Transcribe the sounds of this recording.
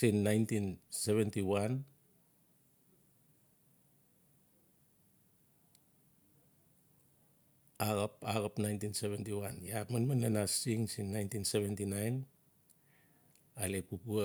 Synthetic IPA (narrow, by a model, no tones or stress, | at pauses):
inːajntinseβentiwan | aɡapaɡapnajntinseβentiwanjamanmananasiŋsinːajntinseβentinajn | alepupu